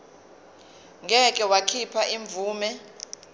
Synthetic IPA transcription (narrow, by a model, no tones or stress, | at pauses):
ŋʱɛkʼɛwakʰipʰaʔiɱb̪vʱuːmɛ